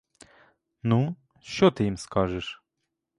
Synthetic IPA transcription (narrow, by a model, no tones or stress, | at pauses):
nu | ɕt͡ɕɔt̪ɘimskaʐɨʂ